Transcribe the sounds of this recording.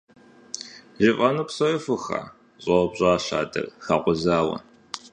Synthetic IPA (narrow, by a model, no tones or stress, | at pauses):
ʒɪfʼɐnuːpsɐrɐfɨxa̰ː | ɕʼɐbɕʼaːɕa̰ːdɐ̰rxaːqʷʊzaːwɐ̰